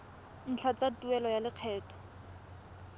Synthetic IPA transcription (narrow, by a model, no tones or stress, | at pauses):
n̩t͡ɬʰat͡satuɛlɔjalɪq͡χʰɛːtʰɔ̥